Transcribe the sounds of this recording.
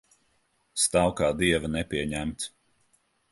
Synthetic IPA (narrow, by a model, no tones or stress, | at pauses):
st̪awkaːd̪iɛvɐnɛpʲiɛɲæmt̪s